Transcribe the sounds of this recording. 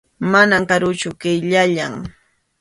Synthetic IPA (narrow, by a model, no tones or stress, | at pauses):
manamkaɾʊt͡ʃʊkɪjʎaʎaŋ